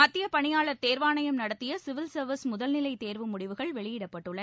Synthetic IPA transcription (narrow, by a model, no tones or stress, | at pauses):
mɐt̪ːɪjɐpɐɳɪjaːɭɐɾt̪eːɾʋaːnɐjɐmnɐɽɐt̪ːɪjɐsɪʋɪlsɐɾʋɪsmʊðɐlnɪlɐɪt̪eːɾʋɯmʊɽɪʋɯɣɐɭʋɛɭɪjɪɽɐpːɐʈːɯɭːɐ